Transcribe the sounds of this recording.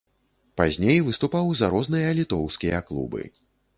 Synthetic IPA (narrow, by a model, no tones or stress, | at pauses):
pazʲnʲejvɨst̪upawzɐɾɔznɨjɐlʲit̪ɔwskʲijɐklˠṵbɨ̰